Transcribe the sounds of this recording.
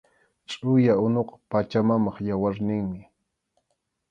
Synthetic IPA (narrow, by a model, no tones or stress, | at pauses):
t͡ʃʼʊjaʊnoqɑ̥pat͡ʃamamɑχjawaɾnɪŋmɪ